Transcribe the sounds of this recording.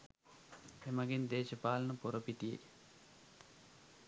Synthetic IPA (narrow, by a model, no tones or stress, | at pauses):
emaɡend̪eːʃɐpaːlɐnɐpoɾopit̪ijḛj